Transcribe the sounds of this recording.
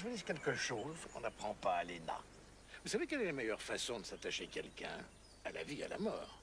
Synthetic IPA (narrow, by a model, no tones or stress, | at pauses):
ʒwazikʲɛlkəʃoːzkɔ̃napχɑ̃paːlena̰ | vusavekɛlɛlamɛjœʁfasɔ̃d̪əsat̪aʃekʲɛlkʲɛ̰̃ | ala̰via̰la̰mɔ̰ːʁ